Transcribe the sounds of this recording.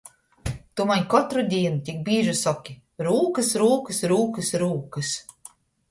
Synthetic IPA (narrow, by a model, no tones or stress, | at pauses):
t̪umaɲʲkɔt̪ɾud̪ʲiɛnut̪ʲik̚biːʒɨsɔkʲi | ɾuːkɨsɾuːkɨsɾuːkɨsɾuːkɨs